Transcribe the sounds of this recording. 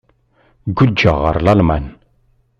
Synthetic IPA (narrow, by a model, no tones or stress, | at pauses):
ɡul̚d͡ʒɑʁɑ̰ɾlɑlˠmɛn